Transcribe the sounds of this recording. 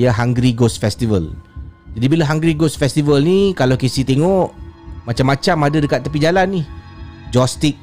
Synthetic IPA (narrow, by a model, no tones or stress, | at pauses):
jaɦaŋɡɾiɡosfɛst̪ivəld͡ʒadibiləɦaŋɡɾiɡostfɛst̪ivəlnikalawkesit̪eŋɔʔmat͡ʃamːat͡ʃamadadəkat̪ːəpid͡ʒalanːihd͡ʒɔst̪ik̚